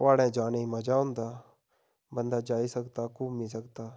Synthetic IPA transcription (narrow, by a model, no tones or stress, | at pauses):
ʋaːɽẽːd͡ʒaːneiməd͡ʒaːʊ̃nd̪aː | bənd̪aːd͡ʒaːisəkt̪aːkuːmis̬əkt̪aː